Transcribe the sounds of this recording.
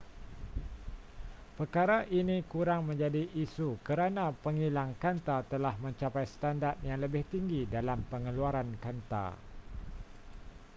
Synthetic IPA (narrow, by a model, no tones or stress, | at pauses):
pərkaɾaʔinĩkuɾaŋmə̃ɲd͡ʒadiʔisukəɾanãpəŋilaŋkant̪at̪əlahmə̃ɲt͡ʃapajsə̥t̪andart̪̚jaŋləbɪht̪iŋɡidalampəŋəluaɾankant̪a̰